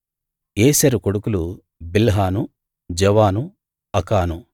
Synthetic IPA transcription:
eːsɐɾukoɽukulu | bilɦaːnu | d͡ʒɛʋaːnu | ɐkaːnu

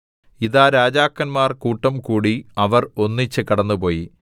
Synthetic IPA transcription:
iðaːɾaːd͡ʑaːkːɐnmaːrkuːʈːɐmkuːɽiɐʋɐro̞nːit͡ɕːɨkɐɽɐnːupo̞ːji

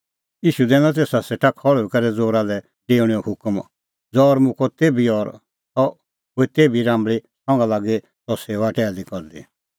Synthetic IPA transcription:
iːʃud̪ɛ̃ːnat̪eːsaseʈʰakʰɔɭikɐɾɛd͡zoːɾalɛ | ɖeːʊɽ̃iɔhʊkm | d͡zɔːɾmũkɔt̪eːbiɔɾ | tɔ | ɦoit̪eːbiɾãːmbɭisɔ̃ŋɡalaːɡe | sɔseːʋaʈɛːd̪ikɔɾd̪i

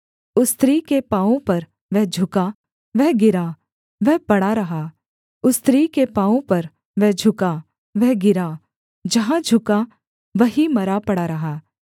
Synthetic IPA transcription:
ʊst̪ɾiːkepaːõpɐɾ | ʋɛɦd͡ʒʱʊka | ʋɛɦɡɪɾa | ʋɛɦpɐɽaɾɐɦaː | ʊst̪ɾikepãːpɐɾ | ʋɛɦd͡ʒʱʊka | ʋɛɦɡɪɾa | d͡ʒɐɦãd͡ʒʱʊka | ʋɐɦimɐɾapɐɽaɾɐɦaː

